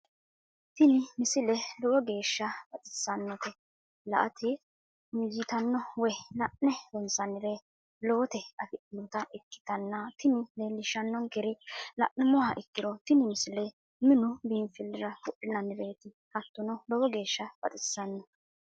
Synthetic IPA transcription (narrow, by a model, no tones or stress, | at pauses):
t̪ɪnɪmɪsɪlɛlɔwɔɡe̞ːʃːɐb̥ɐt̪ʼɪ̥sːɐnːɔt̪ɛ | lɐ̰ʔɐt̪ʰɛ | jiːt̪ɐnːɔwɛlɐʔnɛdɔnsɐnɪɾe | loːt̪ɛɐfɪʔɪnɔt̪ɐʔɛkːɪ̥t̪ɐnːɐt̪ɪnɪlelːɪʃɐnːɔŋkɛɾɪlɐ̰ʔnːɛmɔhɐʔɪkːɪd̪ɔt̪ɪnɪmɪsɪlɛ | mɪnʊbiːnfɪlːɪɾɐfʊʔɪnɐnːɪɾeːt̪ɪ | kɐt̪ːɔnɔlɔwɔɡe̞ːʃːɐb̥ɐ̰t̪ʼɪsːɐnːɔ